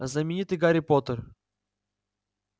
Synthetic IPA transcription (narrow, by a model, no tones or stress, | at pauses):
znəmʲɪnʲit̪ɨjɡaɾʲɪpot̪ər